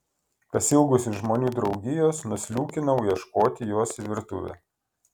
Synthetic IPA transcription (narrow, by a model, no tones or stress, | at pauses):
pɐsʲɪlˠɡʊsʲʊʒmoːnʲuːd̪ɾɒʊɡʲɪjoːsnʊsʲlʲuːkʲɪnɐʊjɛʃkoːt̪ʲɪjoɔsʋʲɪɾt̪ʊ̰ʋʲɛ̰